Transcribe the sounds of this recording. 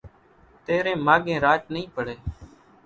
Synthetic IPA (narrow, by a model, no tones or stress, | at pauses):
t̪eːɾẽːmaːɠẽːɾaːt͡ʃnəĩːpəɽeː